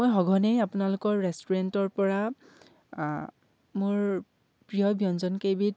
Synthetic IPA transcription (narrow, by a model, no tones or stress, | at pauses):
ojɦɔɡʱɔnejapʊnalʊkɔɹːɛstuɹɛntɔɹpɔɹa | mʊɹ | pɹijɔbjɔnzɔnkebit